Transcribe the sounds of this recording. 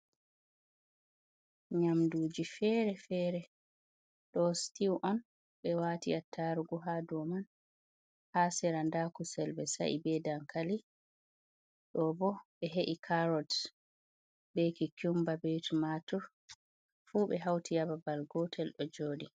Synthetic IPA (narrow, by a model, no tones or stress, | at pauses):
ɲamduːd͡ʒifɛːɾɛfɛːɾɛ | ɗɔstiwʔɔn | ɓɛwaːtiatʰːaɾuɡɔɦadɔman | hasɛɾandakusɛlbɛsa̰ʔḭbɛdaŋkali | ɗɔbɔɓɛɦeʔikʰaɾɔt | bekikumbabɛjtumatɔ | fuːɓɛɦawtʰijababalɡɔtʰɛlɗɔd͡ʒoːdi